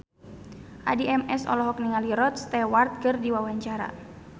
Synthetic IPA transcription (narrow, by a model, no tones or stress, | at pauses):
ʔa̰diɛmɛsɔ̰lɔɦɔk̚niŋaliɾɔt̪̚st̪ɛwart̪̚kɨrdiwawaɲt͡ʃaɾa̰